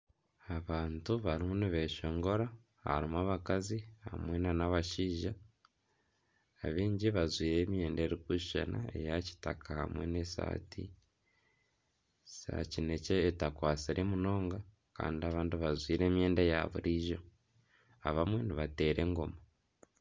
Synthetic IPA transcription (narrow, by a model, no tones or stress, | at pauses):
aβaːntuβaɾimuniβe̞ʃo̞ŋɡo̞ɾa | ha̰ɾimuaβakaziha̰mwenanaβaʃiːʒa | βiːɲɟiβazwiːɾe̞ːmje̞ːnde̞ɾikuʃʃa̰na̰ḛjaci̥takʰaha̰mwe̞nesa̰ːtʰḭ | sa̰cine̞ceːtakwaːt͡siɾʔemuno̞ːŋɡa | ka̰ːndiaβaːntiβazwiːɾe̞ːmje̞ːndejaβṵɾiʒo̞ | a̰βamwe̞niβate̞ːɾʔe̞ŋɡo̞ma